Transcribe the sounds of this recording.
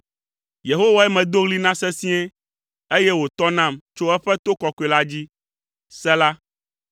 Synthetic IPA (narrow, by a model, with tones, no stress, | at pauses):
je˨ɦo˦wa˦ɛ˦mɛ̃˨d̪o˦ɣli˦nã˦sɛ˦si˦ɛ˦ | e˦jɛ˦wo˨t̪ɔ˦nã˦˨mt͡ʃo˦ɛ˦ɸɛ˦t̪o˦kɔ˨kɔ˨e˨la˦d͡ʑi˦ | sɛ˦la˦